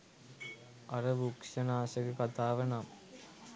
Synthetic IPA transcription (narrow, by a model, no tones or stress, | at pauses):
ʔɐɾɐʋukʂɐnaːsɐkɯkɐt̪aːʋɐnaːm